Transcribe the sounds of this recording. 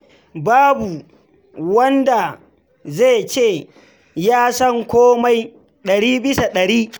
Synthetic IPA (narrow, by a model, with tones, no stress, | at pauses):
baː˦bu˨ | wɐ˦nda˨ | za˦˨t͡ʃeː˦˨ | jaː˦sɐ˦ŋkʷoː˦ma˦j | ɗɐ˨ɽiː˦bɪ˦sa˨ɗɐ˨ɽiː˦